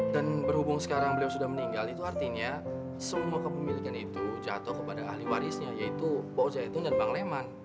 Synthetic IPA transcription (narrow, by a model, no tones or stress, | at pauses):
danbərhubʊŋsə̥kaɾaŋbəliawsudahməniŋɡalit̪uart̪iɲa | səmuakəpəmilikanit̪ud͡ʒa̰t̪ɔhkəpadaːhliwaɾisɲajait̪upod͡ʒait̪undanbaŋleman